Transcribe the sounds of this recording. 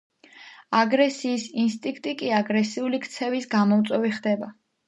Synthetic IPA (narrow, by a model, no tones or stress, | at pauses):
aɡɾɛsiːsinst̪ʼiŋk̚ʰt̪ʼikʼiaɡɾɛsiulikʰt̪sʰɛvisɡamɔmt̪sʼwɛviχd̪ɛba